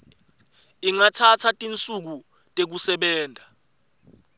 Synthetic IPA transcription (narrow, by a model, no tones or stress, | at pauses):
iŋatʰatʰatʼint͡sʼuk̬u | tʼek̬usɛɓɛːndʱa